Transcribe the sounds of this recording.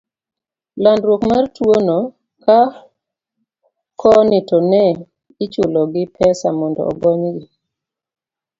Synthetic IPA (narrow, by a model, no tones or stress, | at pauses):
landɾwokmartwono | ka | kʰɔnɪtɔnɛ | ɪt͡ʃulɔɡɪpʰɛsamɔndɔ̰ɔ̰ɡɔɲɡɪ